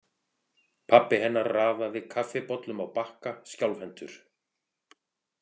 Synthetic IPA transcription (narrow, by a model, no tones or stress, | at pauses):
pʰapːɪɦɛnːaɾraːvavɪðkʰafɪpɔt̪lʏmawpahkascjawlvɛnt̪ʏɾ̥